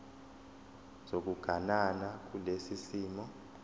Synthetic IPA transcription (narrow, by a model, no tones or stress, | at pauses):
z̥ok̬uɡ̥ʱananak̬ulesisiːmɔ